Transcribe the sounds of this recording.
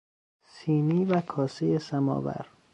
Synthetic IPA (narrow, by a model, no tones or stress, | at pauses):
siːniːvækʰɒːsejesæmɒ̰ːvæ̰ɾ